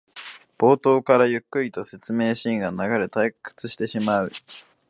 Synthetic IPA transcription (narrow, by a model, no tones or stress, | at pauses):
b̥o̞ːt̪o̞ːkaɾajɯ̟kːɯ̟ɾʲit̪o̞se̞t͡sɨme̞ːɕĩŋɡanaɡaɾe̞t̪ajkːɯ̥t͡sɨɕi̥t̪e̞ɕimaɯ̟